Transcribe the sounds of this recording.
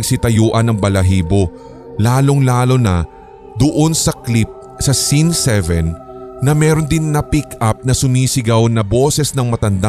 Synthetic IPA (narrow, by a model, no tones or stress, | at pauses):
ɡ̚sɪt̪ɐjuːʔɐnɐŋbɐlɐɦiːbo̞ | laːlo̞ŋlaːlo̞nɐ | d̪ʊʔo̞nsɐklip̚ | sɐsinsɛvɛnːɐmɛːɾo̞nd̪ɪnːɐpikɐp̚nɐsʊmisɪɡawnɐbo̞ːsɛsnɐŋmɐt̪ɐnd̪a